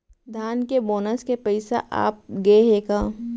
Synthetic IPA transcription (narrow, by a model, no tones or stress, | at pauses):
d̪ʱaːnkeboːnəskepɐɪsa̰ʔa̰ːp̚ɡeɦeːkãː